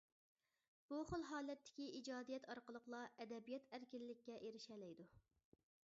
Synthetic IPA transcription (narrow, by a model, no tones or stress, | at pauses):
b̥uχolˠɦɑːlˠɛt̪ʰːɪ̥kʲiid͡ʒɑːd̪ijɛt̪ʰɑɾqəlˠəqlˠɑʔɛd̪ɛbijɛt̪ʰæɾkʲilːɪkʲːɛʔeɾɪʃɛlɛjd̪u